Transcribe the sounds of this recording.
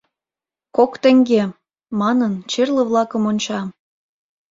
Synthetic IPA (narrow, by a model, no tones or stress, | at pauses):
kokt̪ə̆ŋɡe | mɑnənt͡ɕerlə̆βlɑkə̆monʲt͡ɕɑ